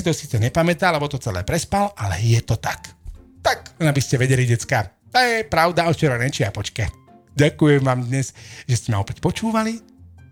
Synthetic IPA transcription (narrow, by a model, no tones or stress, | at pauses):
sit̪ɔsiːt͡sɛɲɛpamɛt̪aːlɛbɔt̪ɔt͡sɛlɛ̰ːpɾɛspalʔalɛ̰jɛt̪ɔt̪akt̪akɛnabiscɛʋɛɟɛliɟɛt͡skaː | t̪ajɛpɾaʊd̪aɔt̪t͡ʃɛɾanɛt͡ʃiapɔt͡ʃkɛ | ɟakujɛmʋaːmd̪ɲɛsʒɛscɛmaɔpɛcpɔt͡ʃuːʋali